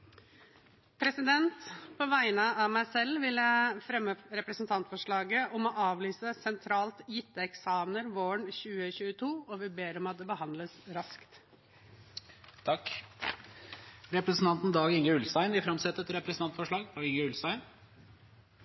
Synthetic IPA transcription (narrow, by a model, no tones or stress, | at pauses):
pʰɾɛsɪd̪ɛnt̪pʰɔʋæɪnəɑmæɪsɛlʋɪlːəfɾɛmːəɾɛpɾəsn̩t̪ʰɑnt̪fɔʂɭɑːɡəʔɔmɔʔɑːʋlyːsəsɛnt̪ʰɾɑːlt̪jɪt̪ːəɛksɑːmnəɾʋoːəɳçʉːəçʉːət̪ʰuːɔʋɪbeːɾɔmɑt̪̚d̪ɛbəhɑnd̪ləsɾɑskt̪ | t̪ʰɑkː | ɾɛpɾəsn̩t̪ɑnt̪n̩d̪ɑːɡɪŋəʉlsæɪnʋɪfɾɑmsɛt̪ːəɛt̪ɾɛpɾɛsnɑnt̪fɔʂɭɑːɡd̪ɑːɡɪŋəʉlst̪æɪn